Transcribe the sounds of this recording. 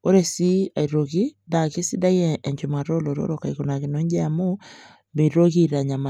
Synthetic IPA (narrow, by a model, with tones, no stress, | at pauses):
o˦ɾe˦si˦a˨i˨ɾo˨ɣi˦da˨ki˦si˦da˦jɛː˦˨ɲd͡ʒo˨ma˨ɾo˦lo˨ɾo̰˦ɾo˨ka˨iɣo˨na˨ɣe˨no˦ɲd͡ʒɛ˦a˦mo˦ | me˨ɾo˦ɣi˦ɾa˨ɲa˨ma˨